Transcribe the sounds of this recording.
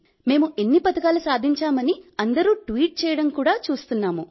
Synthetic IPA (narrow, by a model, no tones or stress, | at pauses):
me̞ːmuʔe̞nːipɐt̪ɐkaːlusaːd̪ʱiɲt͡ʃaːmɐniɐnd̪ɐɾuːʈʋiːʈ̚t͡ʃɛːjɐɽɐmkuːɽaːt͡ʃuːst̪unːaːmu